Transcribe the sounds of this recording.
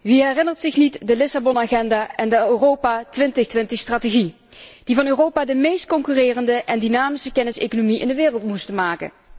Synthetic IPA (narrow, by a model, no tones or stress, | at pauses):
ʋiɦɛrɪnərtsɪxnitdəlɪsabɔnaːχɛndaːʔɛndəøːrowpaːtʋɪntəxtʋɪntəxstraːteɣi | d̥ivɑnøːrowpaːdəmejst̚kɔŋkyrɪːrəndəʔɛndinaːmisəkɛnɪsḛjkonomiʔɪ̰ndəʋɪːrəlˠtmustəmaːkə̰